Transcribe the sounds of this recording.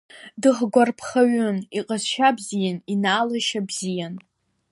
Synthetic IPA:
dɨχɡʷarpʰχaɥʊniqʼazʃabzijaninaːlaʃabzijan

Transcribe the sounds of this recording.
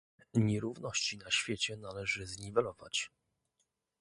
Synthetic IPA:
ɲɛɾuvnɔɕt͡ɕinaɕfʲjet͡ɕɛnalɛʐɘzɲivɛlɔva̰t͡ɕ

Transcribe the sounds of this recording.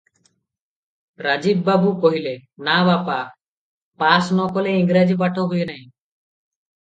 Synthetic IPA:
ɾad͡ʒiːbːaːbukɔɦilenaːβaːpaː | paːsnɔːkɔleɪŋɡɾaːd͡ʒip̬aʈʰoːɦʊenaɦĩ

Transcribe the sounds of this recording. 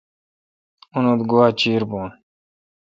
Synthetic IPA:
unod̪ɡuwaːt͡ɕiːɾboːn

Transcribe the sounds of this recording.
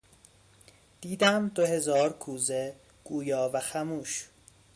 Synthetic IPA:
d̪̥iːd̪æmd̪ohe̞zɒːɾkʰuːze | ɡ̥uːjɒːvæxæmuːʃ

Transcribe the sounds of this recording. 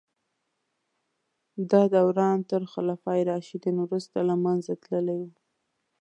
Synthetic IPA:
d̪ɑd̪awɾɑnt̪əɾxalɑfɑjɾɑʃid̪ənwɾust̪alamanzat̪ləlawi

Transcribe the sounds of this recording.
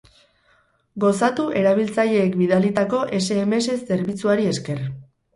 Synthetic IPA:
ɡo̞sat̪uʔe̞ɾaβ̞ilt͡saʎe̞ːkbiðalit̪ako̞ʔe̞se̞ːme̞se̞sːe̞ɾβit͡suaɾie̞ske̞r

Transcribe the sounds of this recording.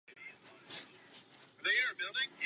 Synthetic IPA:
ðeɪə˞bɪlˠdɪ̃ŋɪ

